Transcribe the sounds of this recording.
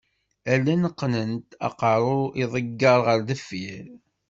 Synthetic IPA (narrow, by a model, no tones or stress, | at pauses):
ælːænəqːnənt̪ɑ̰qɑɾˤʊiðˤəɡːɑɾˤʁəɾðəfːiɾ